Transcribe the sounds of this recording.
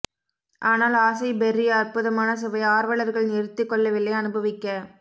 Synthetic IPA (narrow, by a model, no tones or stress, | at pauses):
ʔaːnaːlaːsɐɪbɛrɪjɐɐrpʊðɐmaːnɐs̬ɛʋɐɪaːɾʋɐɭɐɾɣɐɭnɪɾɯt̪ːɯkːɔɭːɐʋɪlːɐɪɐnɯbɐʋɪkːɐ